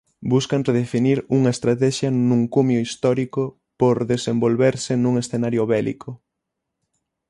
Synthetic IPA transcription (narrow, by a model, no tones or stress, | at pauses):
buskɐnreðefiniɾuŋɐest̪ɾat̪ɛʃjɐnũŋkumjoist̪ɔɾikʊ | poɾðesembolβeɾsɪnũŋesθenaɾjʊβɛlḭkʰʊ